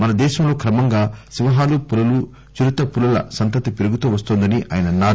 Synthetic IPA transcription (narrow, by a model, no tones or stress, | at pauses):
mɐnɐd̪ɛːʃɐmlo̞ːkɾɐmɐŋɡaːsiʋɐɦaːlupulɐlu | t͡ʃuɾut̪ɐpulɐlɐ̰sɐnt̪ɐt̪ipiɾuɡut̪uːʋɐst̪oːnd̪ɐniʔa̰ːjɐnɐnaː